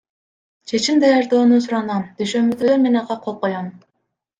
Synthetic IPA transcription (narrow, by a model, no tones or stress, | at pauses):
t͡ʃʰe̞t͡ʃimd̪ɑjɑɾd̪oːnusuɾɑnɑmd̪yʃønbyd̪øønmenɑqɑqʰolˠqojɑn